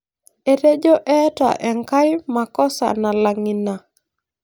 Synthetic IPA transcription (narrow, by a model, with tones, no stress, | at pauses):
e˨ɾe˦d͡ʒo˦ʔɛ˦ta̰˨ʔɛ˨ŋka˦jma˨kɔ˦sa̰˨na˨la˨ŋi˨na˨